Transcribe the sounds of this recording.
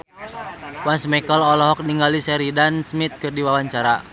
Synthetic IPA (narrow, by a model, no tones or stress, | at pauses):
wansmɛkəlɔlɔɦɔk̚niŋɡalisɛɾidansmit̪̚kɨrdiwawaɲt͡ʃaɾa